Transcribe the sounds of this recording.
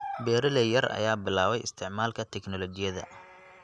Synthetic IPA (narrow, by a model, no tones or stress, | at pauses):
bɛːɾɪlɛjɐrɐ̰jaːbɪlaːβɛjɪst̪ʰɪʕmaːlkʰɐt̪ʰɛknɔlɔt͡ʃɪjɐðɐ̰